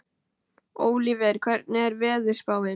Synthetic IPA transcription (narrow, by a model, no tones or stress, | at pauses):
oːwlivɛɾ̥kʰvɛɾt̪̚nɪɛɾvɛːðʏɾ̥spaːwɪ